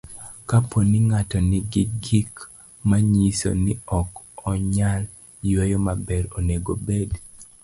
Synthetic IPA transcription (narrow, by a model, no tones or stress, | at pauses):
kaponɪŋatɔnɪɡɪɡik | maɲiso̰nɪɔk | ɔɲal | jwejɔmabɛɾoneɡobed